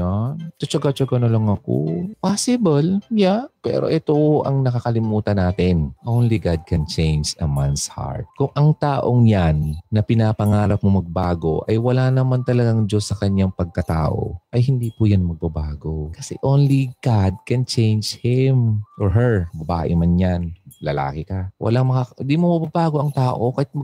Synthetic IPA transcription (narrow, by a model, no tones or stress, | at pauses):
ant̪ot͡ʃɐɡat͡ʃɐɡɐnolɐŋɐko̰pasɪbɐljapɛ̰ːɾoʔɛt̪oʔɐŋnɐkakɐlɪmuːt̪ɐnaːt̪ɪnʔownliɡad̪̚kɛnt͡ʃejnd͡ʒɐmansha̰ɹt̪̚kʊŋʔɐŋt̪aːʔoŋjanːɐpɪnapɐŋaːɾɐp̚momɐɡ̚baːɡo̞̰ʔɐjwɐlanɐmant̪ɐlɐɡaŋd͡ʒosːɐkɐɲːaŋpɐɡ̚kɐt̪a̰ːʔo̰ʔɐjhɪnd̪iːpʊjanmɐɡ̚bɐbaːɡokɐsɛ̰ʔownliɡ̥ad̪̚kɛnt͡ʃɛjnd͡ʒhɪmʔoɹɦɛɹbɐba̰ːʔɪ̰manjanlɐla̰ːkɪkawʔɐ̰laŋmɐkand̪iːmomɐɡbabaːɡo̞ʔɐŋt̪aːʔo̞kɐhɪt̪̚mɐ